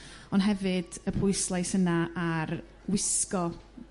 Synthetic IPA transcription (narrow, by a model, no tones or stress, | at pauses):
ɔnɦɛvɨd̥əpʰʊɨslˠajsənaar | wɪskɔ